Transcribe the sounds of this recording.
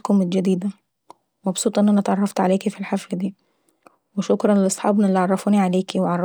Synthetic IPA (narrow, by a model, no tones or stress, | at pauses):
kʊmɪt̪d͡ʒad̪iːd̪æ | mɑbsˤuːt̪ˤʔɪnːʔænæt̪ʕɑrˤːɑft̪ʕaleːkifilħaflad̪iː | wɪʃʊkɾˤɑnlɪlʔɑsˤħɑ̰ːbnɪlːiʕɑrˤːɑfuːniʕaleːkiwʕɑrˤː